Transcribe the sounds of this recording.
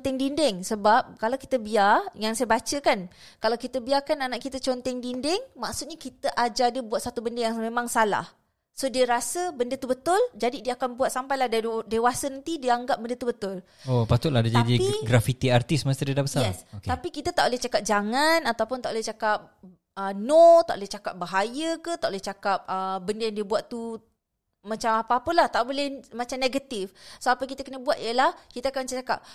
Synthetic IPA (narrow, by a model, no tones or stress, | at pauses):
t̪ɛŋdindɪŋsəbap̚kalawki̥t̪əbiarjaŋsajəbat͡ʃəkankalawkit̪əbiarkananaʔkit̪ət͡ʃɔnt̪ɛŋdindɪŋmaksu̥t̪̚ɲakit̪əʔad͡ʒadəbuat̪̚sat̪ubəndəjaŋmemãŋsala̰h | sodiəɾasəbəndət̪ubət̪ʊld͡ʒadidiəakanbuat̪̚sampajlahddewasənant̪idiəaŋɡap̚bəndət̪ubət̪ʊl | opat̪ʊt̪̚ladad͡ʒadiiɡɾafit̪iart̪ismasədiədabəsaɛsokt̪apikit̪ət̪aʔbolɛht͡ʃakap̚d͡ʒaŋanat̪awpʊnt̪aʔbolɛht͡ʃakap̚ | ənot̪aʔbolɛht͡ʃakap̚baɦajəkət̪aʔbolɛht͡ʃakap̚əbəndəjaŋdiəbuaʔ̪t̪u | mãt͡ʃamapaːpəlaht̪aʔbolɛhmat͡ʃamneɡat̪ifsoapəkit̪əkənəbuat̪ijəlahkit̪əakant͡ʃt͡ʃaka̰p̚